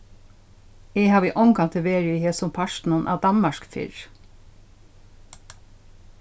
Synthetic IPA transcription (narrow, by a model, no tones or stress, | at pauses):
eːhɑːʋiːʔɔŋkʰɑnt̪ʰɛʋeːɹiːheːsʊmpʰɑʃn̩ənʔɑ̰ːd̪ɑnmɑʃkfɪ̰ɹ